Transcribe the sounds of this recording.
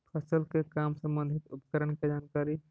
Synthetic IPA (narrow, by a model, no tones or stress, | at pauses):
pʰəsəlkekamsə̃mbənd̪ʱit̪upə̥kəɾəɳked͡ʒankaɾi